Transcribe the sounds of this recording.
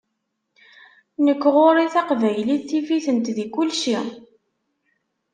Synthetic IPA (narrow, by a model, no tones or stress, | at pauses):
nəkːʁoɾiθɑqvæjliθːifiθənt̪ðikʊlʃi